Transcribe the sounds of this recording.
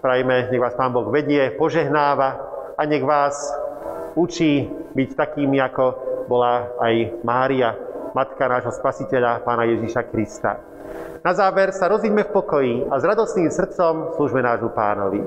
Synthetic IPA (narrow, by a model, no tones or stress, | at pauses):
pɾajmɛɲɛɣʋaːspaːnbɔɣʋɛɟɪɛpɔʒɛɦnaːʋaaɲɛɣʋaːs | ut͡ʃiːbict̪akiːmiakɔbɔlaːajmaːɾiamat̪kanaːʒɦɔspasicɛʎapaːnajɛʒiʃakɾist̪a̰ | nazaːʋɛɾsaɾɔzʋiɟmɛfpɔkɔjiazɾad̪ɔst̪niːmsr̩t̪t͡sɔmsluːʒmɛnaːʒmupa̰ːnɔʋḭ